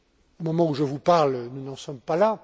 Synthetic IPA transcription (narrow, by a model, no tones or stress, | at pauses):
omɔmɑ̃uʒəvupaʁlnunɑ̃sɔmpala